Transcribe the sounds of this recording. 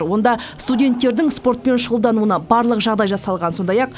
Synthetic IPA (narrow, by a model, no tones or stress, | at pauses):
ɾwo̞nd̪ɑst̪udʲe̞nt̪ːe̞ɾd̪ɪŋspo̞ɾt̪̚pe̞nʃəʁəlˠd̪ɑnuənɑbɑɾlˠəqʒɑʁd̪ɑjʒɑsɑlˠʁɑnso̞nd̪ɑjɑq̚